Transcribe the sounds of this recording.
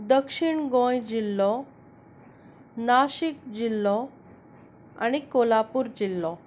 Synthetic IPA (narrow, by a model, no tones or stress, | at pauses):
d̪əkʂiɳɡõjd͡ʑilːɔ | naɕik̚d͡ʑilːɔ | a̰ɽ̃ikolapuːɾd͡ʑilːɔ